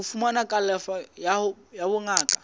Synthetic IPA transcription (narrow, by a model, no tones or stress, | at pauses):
ʊfumanakʼalɛfajahʊjabʊŋaːkʼḁ